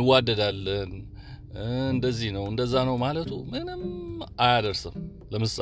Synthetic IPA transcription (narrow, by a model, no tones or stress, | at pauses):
wad̪ːəd̪alːən | ɨnd̪əzːihnəwɨnd̪əzːanəwmalət̪ʰṵmɨnɨmʔajad̪əɾsəm | ləmɨsʼ